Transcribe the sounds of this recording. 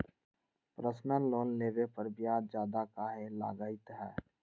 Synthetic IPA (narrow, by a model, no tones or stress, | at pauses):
pɾəsnəloːnːeːʋepəɾbijaːd͡ʒjaːd̪akaːɦẽla̰ːɡaːɪt̪ɦɛ̰ː